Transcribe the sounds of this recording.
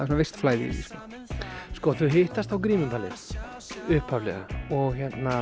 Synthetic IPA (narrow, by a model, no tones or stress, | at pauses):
ðɪsunavɪst̪flaːjðḭðḭskɔ | skɔθʏɦɪht̪ast̪θawkɾiːmʏnp̪alɪ̰ | ʏhpʰavlɛ̰ɣa̰ɔɣçɛt̪na